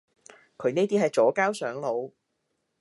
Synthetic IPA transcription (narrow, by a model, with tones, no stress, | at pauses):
kʰɵ˨˧ɥneː˥t̪iː˥ɦɐ˨jt͡ʃɔː˨˥kaː˥wsœː˨˥ŋlo˨˧w